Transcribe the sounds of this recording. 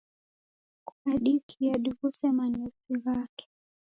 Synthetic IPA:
kuaɗikʰiaɗiɣusɛmaɲɛfiɣakɛ̥

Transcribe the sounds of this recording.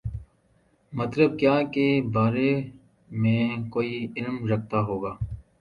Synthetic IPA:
mət̪ləb̚kjaːkebaːɾe | mẽːkoːiɪlmɾək̚t̪aɦoːɡaː

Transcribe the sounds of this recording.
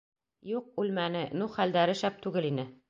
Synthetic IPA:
juq̚ʉlmænɘnuχæld̪æɾɘʃæp̚t̪ʉɡɘlinɘ

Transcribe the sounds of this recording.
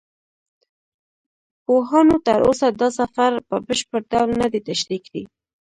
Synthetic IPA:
poɦɑnot̪aɾosad̪ɑsafaɾpəbəʃpəɾɖawlnad̪et̪aʃɾikd̪ḭ

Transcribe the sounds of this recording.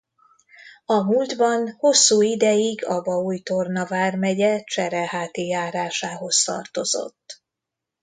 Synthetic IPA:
ɒmuːld̪bɒnho̞sːuːid̪ɛjiɡɒbɒuːjt̪o̞rnɒvaːrmɛɟɛt͡ʃɛɾɛhaːt̪ijaːɾaːʃaːɦo̞st̪ɒ̰rt̪o̞zo̞̰t̪ː

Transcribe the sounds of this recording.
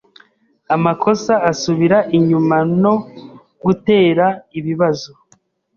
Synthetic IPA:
amakʰo̞saːsuβiɾaʔiɲumano̞ | ɡute̞ːɾaiβiβazo

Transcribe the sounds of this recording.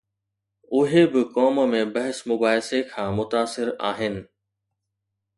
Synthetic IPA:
ʊɦebɪkɔːmmẽbɐɦɪsmʊbaːɦsekʰãːmʊt̪aːsɪɾa̰ːɦɪnɪ̆

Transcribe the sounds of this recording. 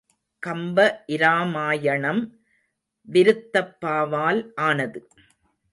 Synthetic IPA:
kɐmbɐʔɪɾaːmaːjɐɳɐm | ʋɪɾɯt̪ːɐpːaːʋaːlʔaːnɐðɯ

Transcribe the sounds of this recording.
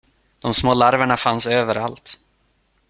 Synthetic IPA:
d̪̥ɔmsmoːlaɾvəɳafansøːvəɾalt̪

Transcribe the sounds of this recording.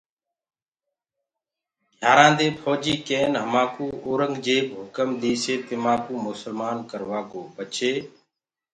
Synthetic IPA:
jaːɾãːd̪eːpʰoːd͡ʒiːkeːnɦəmaːkuːoːɾəŋɡd͡ʒeːkɦʊkəmd̪iːseːt̪ɪmaːkuːmʊsəlmaːnkəɾʋaːkoːbət͡ʃʰeː

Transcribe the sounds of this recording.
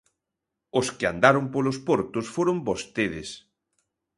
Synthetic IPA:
ʊskɪa̰nd̪aɾʊmpolospoɾt̪ʊsfoɾombost̪eðɪs

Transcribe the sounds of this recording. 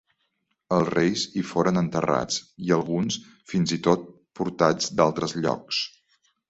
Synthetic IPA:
əlˠsrejzifoɾənənt̪əra̰t͡siəlˠɣuns | finzit̪ot̪̚ | puɾt̪ad͡zd̪alˠt̪ɾəzʎɔ̰ks

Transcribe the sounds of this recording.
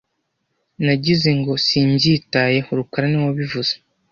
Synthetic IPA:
naɟize̞ŋɡo̞siːɲɟitaje̞hoɾukaɾanewoβivuz̥e

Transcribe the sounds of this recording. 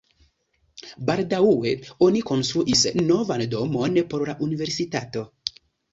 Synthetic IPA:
baldauwe̞o̞niko̞nst̪ɾuʔisno̞vando̞mo̞npo̞ɾlaʔunive̞ɾsitato̞

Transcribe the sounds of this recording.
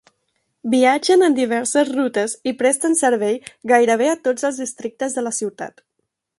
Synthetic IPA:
biad͡ʒənənd̪iβ̞ɛɾsəzrut̪əzipɾɛst̪ənsəɾβ̞ɛjɣajɾəβ̞eət̪od͡zəlˠzðist̪ɾik̚t̪əzðələsiwt̪a̰t̪

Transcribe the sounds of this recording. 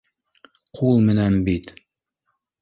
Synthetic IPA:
qʰulˠmɘ̆nænbit̪

